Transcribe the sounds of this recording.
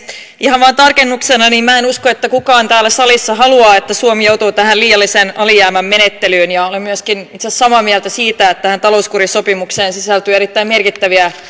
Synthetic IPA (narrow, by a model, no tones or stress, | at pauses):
ʔihɑʋʋɑːnt̪ɑrkenːuksenɑniːmæːenuskoet̪ːækukɑːnt̪æːlːæsɑlisːɑɦɑluɑːet̪ːæsuomijout̪uːt̪æhæliːjɑlːisenɑlijæːmæmme̞net̪ːelyːnjɑolemmyæskinit̪sessɑmɑːmiælt̪æsiːt̪æet̪t̪æhænt̪ɑlo̞uskuɾisopimukseːnsisælt̪ye̞ɾit̪ːæime̞rkit̪ːæʋiæ